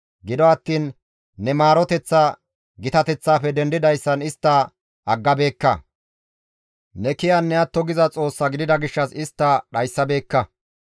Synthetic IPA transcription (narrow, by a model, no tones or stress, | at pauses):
ɡɪd̪ɔɐt̪ːiːnː | ɛmaːɾɔt̪ɛt͡sːa | ɡɪt̪ɐt̪ɛt͡sːaːpɛd̪ɛnd̪ɪd̪ɐjsːɐnɪst̪ːɐ | ɐɡːɐbe̞ːkːɐ | nɛkɪjɐnːɛɐt̪ːɔɡɪzɐt͡sʼo̞ːsːɐɡɪd̪ɪd̪ɐɡɪʃːɐsɪst̪ːɐɗɐjsːɐbe̞ːkːɐ